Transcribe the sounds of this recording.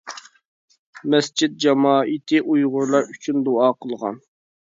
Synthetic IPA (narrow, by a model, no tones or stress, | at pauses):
mɛsd͡ʒʰid̪̚d͡ʒɑmɑːʔit̪ʰɨʔujʁʊɾlˠɑɾyt͡ʃʰynd̪oɑːqʰəlˠʁɑ̰n